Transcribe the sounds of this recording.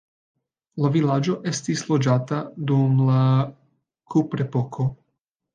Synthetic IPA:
lavilad͡ʒo̞ʔe̞stislo̞d͡ʒatadumla | kʰupɾepo̞kʰo̞

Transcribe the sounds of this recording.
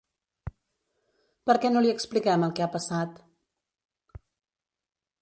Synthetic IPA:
pəɾkɛnoliəksplikɛməlˠkɛapəsat̪

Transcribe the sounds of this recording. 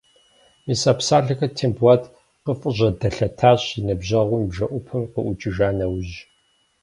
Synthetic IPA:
misaːpsaːɮɐxɐtʰeːmbwaːtʰʼ | qəfʼəʑʷɐdɐɬɐtʰaːɕinɨbʑɐʁʷʊmibʒɐʔʷʊpʰɨmqəʔʷʊt͡ʃʼɪʒaːnɐwʑ

